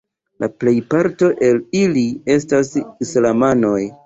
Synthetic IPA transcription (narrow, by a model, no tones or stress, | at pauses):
laple̞jpaɾto̞ʔe̞lilie̞s̬tasislamano̞j